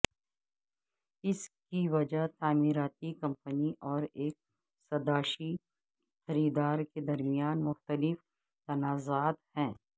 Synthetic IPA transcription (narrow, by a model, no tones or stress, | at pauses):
ɪskiʋɐd͡ʒat̪aːmiːɾaːt̪ikɐ̃mpəniʔɔːɾeːk̚ | sɐd̪aːʃi | xɐɾiːd̪aːɾked̪ɐɾmijaːnmʊxt̪əlɪf | t̪ɐnaːzaːt̪hɛ̃ː